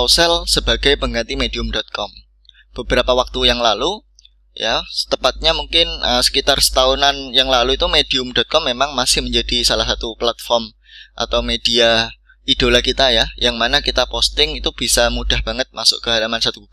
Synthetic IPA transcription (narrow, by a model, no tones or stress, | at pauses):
sɛlsəb̥aɡajpəŋɡant̪imediʊmdɔt̪̚kɔm | b̥əbəɾapawak̚t̪ujaŋlalu | jasə̥t̪əpat̪̚ɲamuŋkɪnəsə̥kit̪arsə̥t̪aunanjaŋlaluit̪umediʊmdɔt̪̚kɔmːemaŋmasɪhməɲd͡ʒad̥isalahsat̪uplat̪̚fɔrm | ʔa̰t̪awmed̥ia | id̥olakit̪ajajaŋmanakit̪apɔst̪ɪŋit̪ub̥isamud̥ahb̥a̤ŋət̪̚masʊ̰ʔkəɦalamansat̪ubu